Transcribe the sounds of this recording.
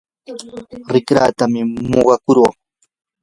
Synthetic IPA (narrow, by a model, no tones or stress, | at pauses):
ɾɪkɾa̰ːt̪amɪmoɢɑkʊɾoχ